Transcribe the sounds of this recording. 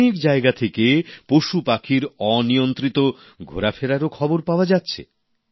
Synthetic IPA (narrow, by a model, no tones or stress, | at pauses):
ikd͡ʑaeɡat̪ʰekepoʃupakʰiɾɔnijont̪ɾit̪o | ɡʱo̰ɾafeɾaɾokʰɔboɾpaoad͡ʑatːɕʰḛ